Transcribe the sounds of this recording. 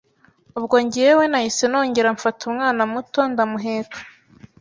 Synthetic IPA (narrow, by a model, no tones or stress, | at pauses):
ubɡoɲɟijewenahiseno̞ːɲɟe̞ɾaɱfatʰumŋaːnamuto̞ndamuɦeːtḁ